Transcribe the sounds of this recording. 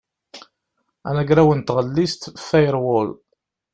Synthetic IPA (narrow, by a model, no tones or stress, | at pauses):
ænæɡɾæwənt̪ːʁəlːist̪fæjɾwʊl